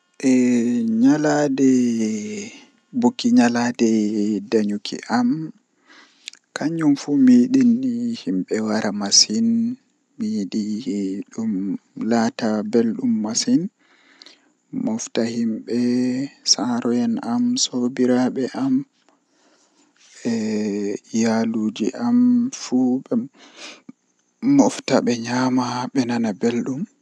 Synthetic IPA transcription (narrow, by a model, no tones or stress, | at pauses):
ʔɛɲaladɛ | bokːiɲaladɛdaɲukʰḭʔam | kʰaɲumfumiːɗinːihimɓɛwaɾamasin | miɗiɗumlaːtabelɗumːasin | mɔftahimɓɛsaɾɔjɛnamsobiɾaɓɛʔam | ɛ | jaluːd͡ʒiʔamfuɓɛ | mɔftaɓɛɲamaɓɛnanabelɗum